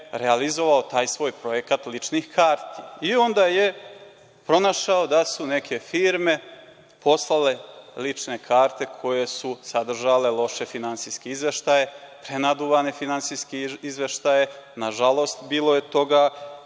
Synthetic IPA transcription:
ɾealizo̞ʋao̞t̪aːjsʋo̞ːjpɾo̞je̞kat̪lit͡ʂnixkʰaːɾt̪iio̞nd̪aːje̞ | pɾo̞naʃaod̪asune̞kʰe̞fiːɾme̞ | po̞slˠale̞lit͡ʂne̞kʰaːɾt̪e̞kʰo̞je̞susad̪r̩ʒale̞lˠo̞ʃe̞finantsijskeizʋe̞ʃt̪aje̞pɾenad̪uʋane̞finansijskeizʋe̞ʃt̪aje̞naʒalˠo̞st̪biːlˠo̞je̞t̪o̞ɡa

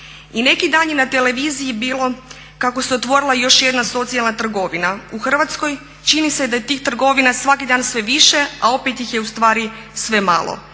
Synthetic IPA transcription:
ine̞kid̪aːnjenat̪e̞le̞ʋiːzijibiːlˠo̞ | kako̞seo̞t̪ʋo̞ɾilˠajo̞ʃje̞d̪naso̞t̪sialˠnat̪r̩ɡo̞ʋinauxr̩ʋat̪sko̞j | t͡ʃinise̞d̪ajet̪iːxt̪r̩ɡo̞ʋinasʋakid̪aːnsʋe̞ʋiʃe̞ao̞pet̪jixjeust̪ʋaːɾi | sʋe̞ma̰lo̰

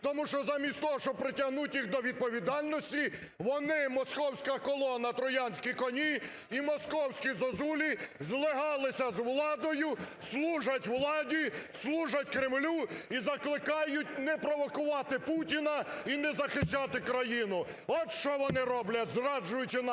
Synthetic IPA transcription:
t̪ɔmuʃt͡ʃɔzɑmʲisʲt̪ɔɦɔʃt͡ʃɔpɾɪtʲɐɦnutʲjixd̪ɔʋʲid̪̚pɔʋʲid̪ɑlʲnɔsʲtʲi | ʋɔnɪmɔskɔwsʲkɐkɔlˠɔnɐt̪ɾɔjɑnʲsʲkʲikɔnʲi | imɔskɔwsʲkʲizɐzulʲizlˠɪɦɑlˠɪsʲɐzʋlˠɑd̪ɔjʊ | slˠuʒɐtʲʋlˠɑdʲislˠuʒɐtʲkɾɪmlʲuizɐklˠɪkɑjʊtʲnɛpɾɔʋɔkʊʋɑt̪ɪputʲinɐinɛzɐxɪʃt͡ʃɑt̪ɪkɾɐjinʊ | ɔt̪ʃt͡ʃɔʋɔnɪɾɔblʲɐtʲzrɑd͡ʒʊjʊt͡ʃɪn

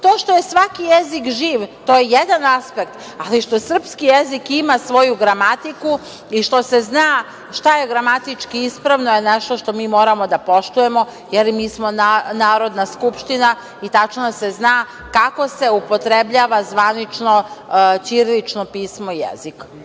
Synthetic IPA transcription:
t̪o̞ːʃt̪o̞je̞sʋakijezikʒiːʋt̪oːjejed̪anaspek̚t̪ | aliʃt̪o̞sr̩pskijezikimasʋo̞juɡɾamat̪iku | iʃt̪o̞se̞znaː | ʃt̪aje̞ɡɾamat̪it͡ʃkiispɾaʋnoje̞neʃt̪o̞ʃt̪o̞miːmo̞ːɾamo̞d̪apo̞ʃt̪uje̞mo̞ | jelmiːsmo̞nanaːɾo̞d̪naskupʃt̪ina | it̪at͡ʃnose̞znaː | kako̞se̞upo̞t̪ɾe̞bʎaːʋazʋanit͡ʃno̞t͡ʃiɾlit͡ʃnopiːsmoijḛzik

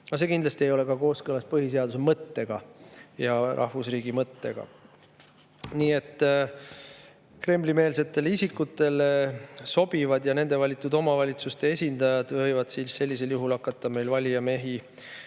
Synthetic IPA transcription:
nɑs̬e̞ːkind̪lɑst̪iejo̞le̞kɑko̞ːskɤlɑspɤɦis̬e̞ɑd̪̥usemɤt̪ːe̞ɡ̥ɑjɑrʔɑ̰hvusriːɡimɤt̪ːe̞̰ɡ̥ɑ̰ | niːe̞t̪ːˑ | kre̞mlime̞ːlse̞t̪ːˑe̞leisʲikːˑut̪ːˑe̞leso̞b̥ivɑd̪̥jɑne̞nd̪̥e̞vɑlʲit̪ːˑud̪o̞mɑvɑlʲit̪sust̪e̞esʲind̪̥ɑjɑd̪̥vɤ̞jvɑd̪̥sisse̞lʲːise̞ljuɦulɑkːˑɑt̪ˑːɑme̞jlvɑlʲijɑme̞ɦi

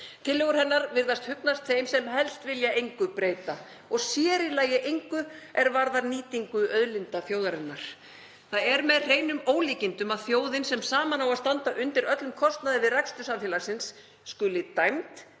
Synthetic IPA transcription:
t̪ʰɪlːɛɣʏɾ̥hɛnːaɾvɪɾðast̪hʏpnast̪θejmsɛmɦɛlst̪vɪljaejŋkʏpɾeːjt̪a | ɔɣsjɛːɾɪlaːjɪʔejŋkʏʔɛɾvaɾðaɾniːt̪iŋkʏʔœðlɪnt̪afjoːwðaɾɛnaɾ̥ | θaðɛɾmɛðreːjnʏmoːwliːcɪnt̪ʏmaðfjoːwðɪnsɛmsaːmanawaðst̪ant̪aʔʏnt̪ɪɾœt̪lʏmkʰɔst̪naðɪvɪðrajkst̪ʏsamfjalasɪnsː | kʏlɪt̪ajmt̪

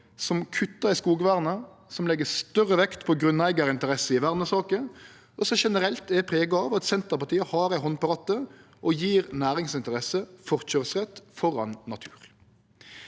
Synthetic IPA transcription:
sɔmkʰʉt̪ːɑɪskuːɡʋæːʁnə | sɔmlɛɡəst̪œʁːəʋɛkt̪pʰɔɡɾʉnæɪɡəɾɪnt̪əɾɛsəɪʋæʁnəsɑːkə | ɔsɔʃɛnəɾɛlt̪ɛpʰʁeːɡəɑʋɑt̪sɛnt̪əʁpɑʁt̪ʰiːəhɑːɾæɪɦɔnpɑʁɑt̪ːə | ʔɔjiːɾnæːɾɪŋsɪnt̪əɾɛsəfɔʁt͡ʃœʁsʁɛt̪ːfɔɾɑ̰nːɑt̪ʰʉ̥ːɾ

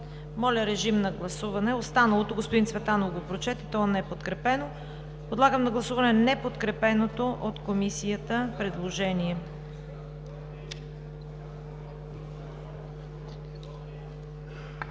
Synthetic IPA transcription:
mɔlʲəɾɛʒimnɐɡlˠɐsuvɐnɛost̪anɐlˠot̪oɡospod̪insvɛt̪anovɡopɾot͡ʃɛt̪ɛt̪ɔnɛpot̪kɾɛpɛno | pod̪lˠaɡəmnɐɡlˠɐsuvɐnɛnɛpot̪kɾɛpɛnot̪oʔot̪komisijət̪əpɾɛd̪lˠoʒɛniɛ

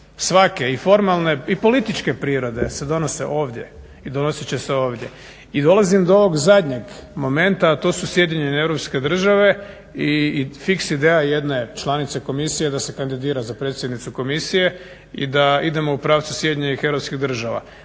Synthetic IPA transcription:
sʋake̞ifo̞ɾmalˠne̞ipo̞lit̪it͡ʃke̞pɾiːɾo̞d̪e̞̰se̞d̪o̞no̞sḛʔo̞ːʋd̪je | id̪o̞nosit͡ɕeseo̞ːʋd̪ʲje̞̰ | id̪o̞lˠazimd̪ooʋo̞ɡzad̪ɲe̞ɡmo̞me̞nt̪at̪o̞ːsusje̞d̪iɲeneevɾopske̞d̪r̩ʒaʋe̞ | ifiksid̪eːjaje̞d̪ne̞t͡ʃlˠanit̪se̞ko̞misije̞d̪ase̞kand̪id̪iːɾazapɾet̪sjed̪nit̪suko̞misije̞ | ḭd̪aid̪e̞mo̞upɾaːʋt̪susjed̪iɲenixe̞ʋɾopskiɣd̪r̩ʒaʋa̰

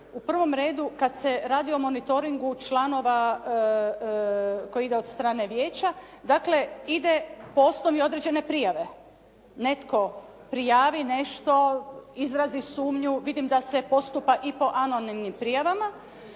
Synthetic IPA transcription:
upr̩ʋo̞mɾe̞ːd̪ukad̪se̞ɾaːd̪io̞mo̞nit̪o̞ɾiŋɡut͡ʃlaːno̞ʋa | ko̞jiid̪eo̞d̪st̪ɾaːne̞ʋjeːt͡ɕa | d̪aːkle̞id̪e̞poo̞sno̞ʋio̞d̪ɾed͡ʑe̞ne̞pɾijaʋe̞ | ne̞t̪ko̞ | pɾijaːʋine̞ʃt̪o̞izɾazisuːmɲuʋid̪imd̪ase̞po̞st̪upaʔipo̞ʔano̞nimnimpɾijaʋama

